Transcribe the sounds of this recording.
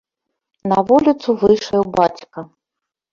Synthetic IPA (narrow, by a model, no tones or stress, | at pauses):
nɐvulʲit̪suvɨjʂɐjɛwbat͡sʲkɐ